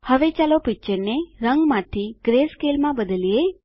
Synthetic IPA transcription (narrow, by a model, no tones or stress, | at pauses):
həʋet͡ʃalopɪk̚t͡ʃəɾneɾəŋɡmãt̪ʰiɡ̥ɾeskelmãbəd̪əlije